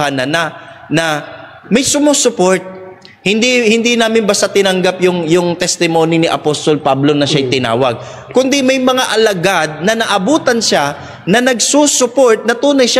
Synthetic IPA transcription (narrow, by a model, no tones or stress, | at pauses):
hanɐna | nɐ | mɐjsʊmusʊpoɹt̪̚ | hɪnd̪ihɪnd̪inaːmɪnbɐst̪at̪ɪnɐŋɡapjʊŋjʊŋt̪ɛst̪ɪmo̞ːnɪnɪʔɐpost̪olpablo̞nɐʃajt̪ɪna̰ːwɐɡ̚ | kʊnd̪ɪmɐjmɐŋaʔɐlɐɡad̪̚nɐnɐʔɐbuːt̪ɐnʃa | nɐnɐɡ̚susʊpo̞ɹt̪̚nɐt̪uːnɐjʃa